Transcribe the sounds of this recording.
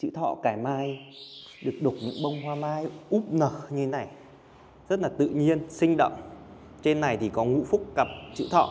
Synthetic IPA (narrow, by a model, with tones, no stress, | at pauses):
t͡ɕɨ̰˧˥t̪ʰɔ̰˧˨kaː˧˩jmaː˧j | ɗɨ˨˩ək̚ɗʊ˨˩k͡p̚ɲɨ̰˧˥ŋɓə˧wŋ͡mɦwaː˧maː˧jʔu˦˥p̚nəː˨˩ɲɨ˧t̪ʰe˨˦na˨˩j | zə˦˥t̚laː˨˩t̪ɨ̰˧˨ɲi˧ənsï˧ŋ̟ɗə̰˧˨wŋ͡m | t͡ɕe˧nːa˨˩jt̪ʰi˨˩kɔ˨˦ŋṵ˧˥fʊ˦˥k̚ːa˨˩p̚t͡ɕɨ̰˧˥t̪ʰɔ̰˧˨